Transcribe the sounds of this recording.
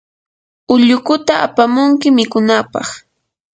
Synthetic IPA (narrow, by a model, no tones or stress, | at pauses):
ʊʎʊkʊt̪aʔa̰pamʊŋkɪmɪkʊnapɑ̰χ